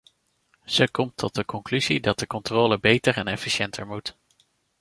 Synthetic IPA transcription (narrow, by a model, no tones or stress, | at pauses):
z̥əkɔmtʰːɔt̚dəkɔŋklyzidɑt̚dəkɔntroːləbejtəɹɛnɛfiʃɛntʰəɹmut